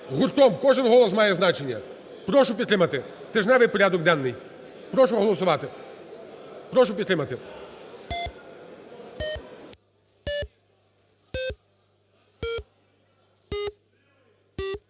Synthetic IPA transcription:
ɦʊrt̪ɔmkɔʐɪnɦɔlˠɔsmɑjɛznɑt͡ʃenʲːɐ̰ | pɾɔʃʊpʲid̪t̪ɾɪmɐt̪ɪ | t̪ɛʒnɛʋɪjpɔɾʲad̪ɔɡ̚d̪anːɪj | pɾɔʃʊɦɔlˠɔsʊʋɑt̪ɪ | pɾɔʃʊpʲid̪t̪ɾɪmɐt̪ɪ

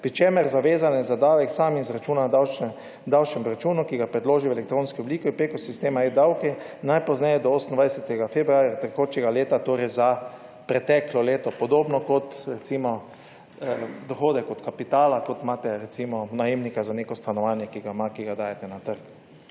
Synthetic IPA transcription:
pɾit͡ʃemɛɾzaʋeːzanɛzad̪aːwɛksaːmizɾat͡ʃuːnad̪awt͡ʃɛ | d̪awt͡ʃɛmɾat͡ʃuːnukiɡapɾɛd̪loːʒiʋɛlɛk̚t̪ɾoːnskiɔbliːkɛpekosist̪eːmaed̪awkɛnajpɔznɛjɛd̪ɔoːsnd̪ʋajsɛt̪ɛɡafɛbɾuaːɾjat̪ɛkoːt͡ʃɛɡaleːt̪at̪oːɾɛjza | pɾɛt̪ɛklɔleːt̪ɔpɔd̪oːbnɔkɔt̪ɾɛt̪simɔ | d̪ɔxoːd̪ɛkɔt̪kapit̪aːlakot̪maːt̪ɛɾɛt̪simɔnajeːmnikazanekɔst̪anɔʋaːnjɛkiɡamakiɡad̪aːjɛt̪ɛnat̪əɾk

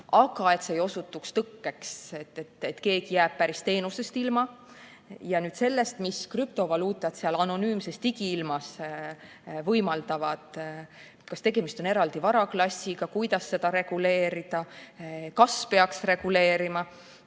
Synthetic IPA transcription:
ɑɡ̥ɑe̞t̪seːjo̞sut̪ːˑukst̪ɤkːe̞kset̪ːet̪et̪ːke̞ːɡ̥ijæːb̥̚pæɾist̪e̞ːnuse̞st̪ilmɑ | jɑnyːd̪se̞lːe̞st̪miskryp̚t̪o̞vɑluːt̪ːˑɑt̪seɑlɑno̞nyːmse̞st̪iɡiilmɑs | vɤjmɑld̪ɑvɑd̪̥ | kɑst̪e̞ɡe̞mist̪o̞ne̞ɾɑld̪̥ivɑɾɑklɑsʲːiɡ̥ɑkujd̪̥ɑsːe̞d̪ɑɾe̞ɡ̥ule̞ːɾid̪̥ɑ | kɑspe̞ɑksre̞ɡ̥ule̞ːɾimɑ

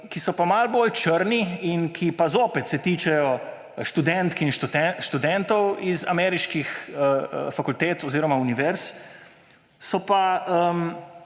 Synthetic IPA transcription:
kisɔpamalboːlt͡ʃəɾniinkʰipazoːpɛt̪sɛt̪iːt͡ʃɛjɔ | ʃt̪ud̪ɛnt̪kinʃɛʃt̪ud̪ɛnt̪ɔwiza̰mɛːɾiʃkixəfakult̪eːt̪ɔziːɾɔmauniʋɛɾs | sɔpaəm

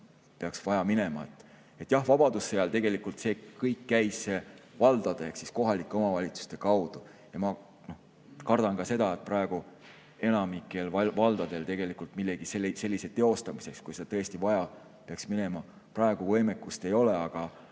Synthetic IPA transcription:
pe̞ɑksvɑjɑmine̞mɑ̰et̪ːˑ | e̞t̪ːˑjɑhvɑb̥ɑd̪̥usːeɑlt̪e̞ɡ̥e̞likːˑult̪se̞kɤjkːæjsse̞vɑld̪̥ɑd̪̥eeksisko̞ɦɑlikːˑeo̞mɑvɑlʲit̪su̥st̪e̞kɑwd̪̥u | jɑmɑ | no̞ | kɑrd̪̥ɑnkɑse̞d̪ɑet̪̚prɑeɡ̥u | e̞nɑmikːˑe̞lɑvɑld̪̥ɑd̪̥e̞lt̪e̞ɡ̥e̞likːˑult̪milːeɡ̥iselse̞lʲːise̞t̪ːeo̞st̪ɑmise̞kskujsed̪et̪ɤest̪ivɑjɑ | peɑksmine̞mɑ | prɑe̞ɡ̥uvɤ̞jme̞kːˑust̪e̞jo̞le̞ɑɡ̥ɑ

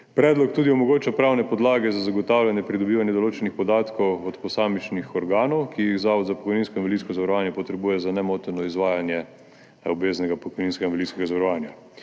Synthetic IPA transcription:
pɾɛːd̪lɔk̚t̪uːd̪iomɔɡoːt͡ʃapɾaːwnɛpɔd̪laːɡɛzazaɡɔt̪aːwlʲjanjɛpɾid̪ɔbiːʋanjɛd̪oloːt͡ʃɛnixpɔd̪aːt̪kɔwɔt̪pɔsaːmit͡ʃnixɔɾɡaːnɔwkʰijiɣzaɔd̪zapo̥kɔjninskɔinʋolit̪skɔzaʋaɾɔʋaːnjɛpɔt̪ɾɛbuːjɛzanɛmoːt̪nɔizʋaːjanjɛ | obʋeːznɛɡapɔkɔjniːnskɛɡinʋolit̪skɛɡazaʋaɾɔʋaːnja

